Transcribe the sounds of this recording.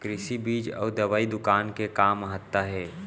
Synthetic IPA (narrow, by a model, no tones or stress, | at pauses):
kɾɪsibiːd͡ʒɔ̰ːɾd̪ɐʋaːid̪ʊkaːnkekaːməɦət̪ːaɦɛː